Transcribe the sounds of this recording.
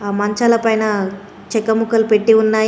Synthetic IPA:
aːmɐɲt͡ʃalɐpɐjnɐ | t͡ʃɛkːɐmukɐlupeʈːiunːaːj

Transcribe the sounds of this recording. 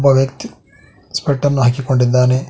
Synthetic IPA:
bɐʋjɐkt̪i | speʈːɐnːuɦaːkiko̞ɳɖid̪ːaːne

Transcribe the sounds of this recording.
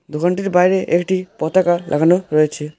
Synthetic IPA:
d̪uɡɔɳʈiɾbajɾeʔekʈipɔt̪akaɾlʔa̰ɡʱanɔɾɔjet͡ʃʰe

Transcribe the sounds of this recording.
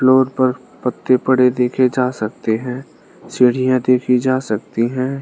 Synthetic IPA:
floːɾpɐɾ | pət̪ːepɐɽed̪eːkʰed͡ʒaːsɐk̚t̪eɦɛ̃ː | sɪːɽ̤ijãd̪eːkʰid͡ʒaːsɐk̚t̪iɦɛ̃ː

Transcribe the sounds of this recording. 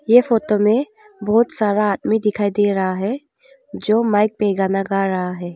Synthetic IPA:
jefoːt̪omẽ | bɔːt̪saːɾaaːd̪mid̪ɪkʰaːid̪eːɾɐɦaɦɛ | d͡ʒoːmaːɪk̚peɡaːnaɡaːɾɐɦaɦɛː

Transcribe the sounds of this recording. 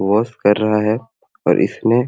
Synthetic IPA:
ʋɔːskɐɾːɐɦaɦɛ | ɔ̰ːɾʔɪ̰sne

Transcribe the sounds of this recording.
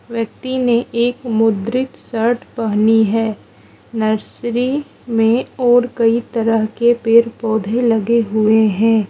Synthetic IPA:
ʋjək̚t̪ineʔeːkmʊd̪ɾɪt̪səɾʈʰpɐɦniɦɛː | nɐɾsɾi | mẽɔːɾkɐit̪ɐɾəɦkepeːɾpɔːd̪ʱelɐɡeɦʊeɦɛ̃ː

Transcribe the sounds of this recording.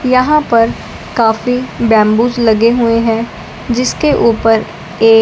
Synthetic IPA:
jɐɦãpɐɾ | kaːfibɛ̃ːmbuːd͡ʒlɐɡeɦueɦɛ̃ | d͡ʒɪskeʔuːpəɾ | eː

